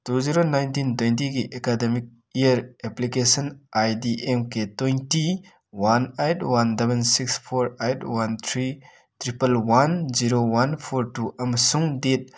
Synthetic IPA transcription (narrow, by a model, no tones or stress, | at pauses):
tuziɾonajntintojntiɡiʔekademik̚ | ijəɾeplikesɐnajdiʔemketojnti | wanajtwandebensikspʰoɾajtwant̪ʰɾi | tʰɾipɐlwanziɾowanpʰoɾtuɐmɐsuŋdet̚